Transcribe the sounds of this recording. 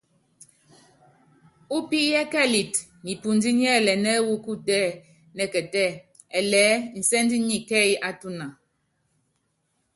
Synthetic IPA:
u˦pi˦jɛ˦kɛ˦˨li˨t | ni˨pu˨n˦di˦ɲ˦ɛ˦˨lɛ˨nɛ˦wu˦ku˦tɛ˦ | nɛ˨kɛ˨tɛ˦˨ | ɛ˨lɛː˨˦n̩˨sɛ˦ndi˦ɲi˦kɛ˦i˦ʔa˦tu˦na˨

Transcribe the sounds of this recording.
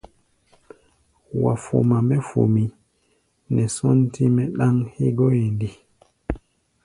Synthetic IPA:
wa˨fo̰˨ma˨mɛ˦fo̰˨mi˨ | nɛ˨sɔ˦n˦tʰi˦mɛ˦ɗa˦ŋhi˦ɡo˦je˨ndi˨

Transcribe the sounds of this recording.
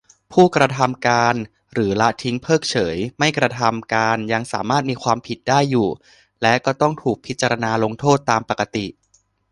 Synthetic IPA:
pʰuː˥˩kɾa˧t̪ʰa˧mkaː˧n | ɾɯː˩˦la˦˥t̪ʰi˦˥ŋpʰɤː˥˩k̚t͡ɕʰɤː˩˦jma˥˩jkɾa˧t̪ʰa˧mkaː˧nja˧ŋsa̰ː˩˦maː˥˩t̪̚miː˧kʰwaː˧mpʰi˨˩t̪̚daː˥˩jːuː˨˩ | lɛ˦˥kɔː˥˩t̪ɔ˥˩ŋt̪ʰuː˨˩k̚pʰi˦˥t̪̚t͡ɕa˧ɾa˧naː˧lo˧ŋt̪ʰoː˥˩t̪ːaː˧mpa˨˩ka˧t̪i˨˩ʔ

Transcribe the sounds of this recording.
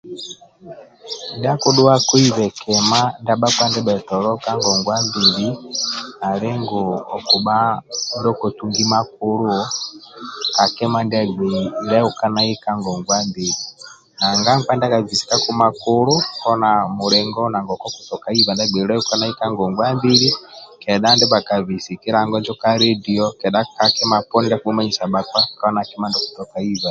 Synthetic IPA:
nda˦ku˦ɗu˦wa˦ku˦i˦βɛ˨kɛ˨ma˦nda˦ɓa˦kwa˦ndɛ˦ɓɛ˨tɔ˨lɔ˦ka˦ŋɡɔ˨ŋɡwa˦mbi˨li˦na˨le˦ŋɡɔ˨ɔ˨ku˨ɓa˦ndɔ˦ko˨tu˨ŋɡi˦ma˦k̚u˦lu˦ | ka˨kɛ˦ma˦nda˦ɡ͡be˨i˨ɾa˦u˨ka˦na˦i˦ka˦ŋɡɔ˨ŋɡwa˦mbi˨ɾi˨ | na˨ŋɡa˦ŋka˦nda˦ka˨vi˨si̥˨ka˦ku˦ma˨koɾo˦kɔ˦na˨mu˨ɾɛ˨ŋɡɔ˦na˨ŋɡɔ˨kɔ˦ku̥˨tɔ˨ka˨i˦βa˨nda˦ɡ͡bɛ˨i˨ɾɛu˦ka˦na˦i˦ka˦ŋɡɔ˨ŋɡwa˦mbi˦ɾi˦kɛ˨ɗa˦ndɛ˦ba˨ka˨βi˨si˨kɛ˦ɾa˨ŋɡɔ˦nd͡ʒɔ˦ka˦ɾe˦di˨ɔ˦kɛ˨ɗa˦ka˨kɛ˦ma˨pɔ˦ni˦da˦ku˦ɓu˦ma˦ɲi˨sa˨ba˨kwa˦ka˦na˨kɛ˦ma˦ndɔ˦ku̥˨tɔ˨ka˨i˦βa˨

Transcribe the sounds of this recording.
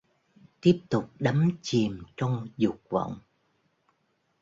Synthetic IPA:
t̪i˦˥əp̚t̪ʊ˨˩k͡p̚ɗa˨˦mt͡ɕi˨˩mt͡ɕɔ˧wŋ͡mzʊ˨˩k̚və̰˧˨wŋ͡m

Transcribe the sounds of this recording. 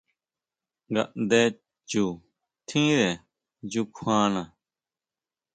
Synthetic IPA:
ɡa̰˨ʔd̪eː˦ | t͡ɕu | t̪ʰĩː˦ɾe˨ | d͡ʑukʰwãː˦na

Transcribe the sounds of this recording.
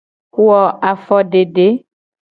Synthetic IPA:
ku˦ɔ˨ʔa˨fɔ˦ɖe˨ɖe˦

